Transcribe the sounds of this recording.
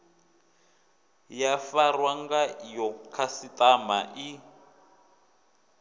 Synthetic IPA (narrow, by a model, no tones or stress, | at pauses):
jafarwaŋɡajɔkʰasitamaʔi